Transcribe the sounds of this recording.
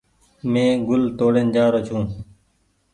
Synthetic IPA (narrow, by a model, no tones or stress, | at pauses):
mẽːɡʊlt̪oːɽeːnd͡ʒaːɾot͡ʃʰũː